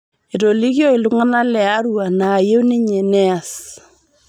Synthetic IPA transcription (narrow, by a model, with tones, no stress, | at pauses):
e˨to˨li˦kjɔ˦i˨lu˦ŋa˦na˦lɛ˨a˦ɾu˦a˨naː˨je˦wnɪ˦ɲɛ˨nɛ˦a˨s